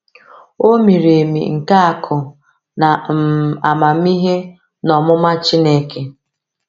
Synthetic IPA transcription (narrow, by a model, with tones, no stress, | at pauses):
o˦mi˨ɾe˨mḭ˨ŋ̩˨ka˦a˨kʰʊ˨ | na˨a˨ma˨m̩˦i˦ɦe˦ | nɔ˨mʊ˦ma˦t͡ʃi˦ne˦ke˦